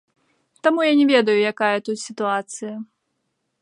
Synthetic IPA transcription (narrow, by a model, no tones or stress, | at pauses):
t̪amujanʲɛvʲɛd̪ɐjujakajɐt̪ut̪ʲsʲit̪uat̪sɨjɐ